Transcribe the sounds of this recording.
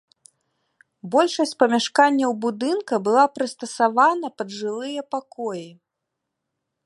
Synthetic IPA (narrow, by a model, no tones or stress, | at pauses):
bɔlʲʂɐsʲt͡sʲpɐmʲaʂkanʲːɐwbud̪ɨnkɐbɨlˠapɾɨst̪ɐsavanɐpɐd̪ʐɨlˠɨjɐpakɔji